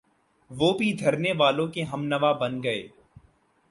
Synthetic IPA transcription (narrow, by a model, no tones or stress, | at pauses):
ʋoːbʱid̪ʱɐɾneʋaːlõkeɦɐmnɐʋabɐnɡɐḛː